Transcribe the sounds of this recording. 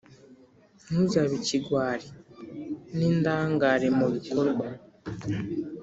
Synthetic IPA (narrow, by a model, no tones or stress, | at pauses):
nuzaβiciɡwaːɾi | nindaːŋɡaːɾemuβikoɾɡwa